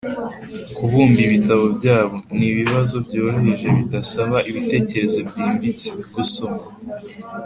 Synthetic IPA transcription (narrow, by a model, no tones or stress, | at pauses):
kuβuːmbiβitaβobɟaːβo̞niβiβazo̞bɟo̞ːɾohe̞ʒe̞βidasaβaʔiβite̞ːce̞ɾe̞zo̞bɟiːmbit͡si̥ɡusoma